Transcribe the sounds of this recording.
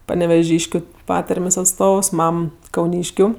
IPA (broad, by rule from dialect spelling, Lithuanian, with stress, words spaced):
pɐnʲɛʋʲɛˈʒʲiːʃʲkʲʊ ˈpɑːtɐrʲmʲeːsʲ ɐtˈstoːws ˈmɐm kɐʊˈnʲiːʃʲkʲʊ